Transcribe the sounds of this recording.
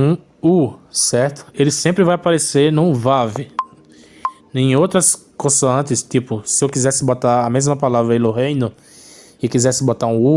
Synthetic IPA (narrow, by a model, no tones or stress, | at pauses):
ũ | usɛɾt̪ʊ̥elɪsẽmpɾɪvajapaɾeseɾnũvavɪ | nẽj̃owt̪ɾɐskõsɐɐ̃nt̪ɪst̪ipʊsɪewkizɛsɪbot̪aɾɐmezmɐpalavɾɐiloɦẽjnʊ | ɪkizɛsɪbot̪aɾũu